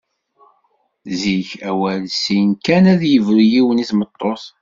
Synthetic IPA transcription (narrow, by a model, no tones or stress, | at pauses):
ziçæwælsinkænæðjəvɾijiwəniθmət̪ˤːos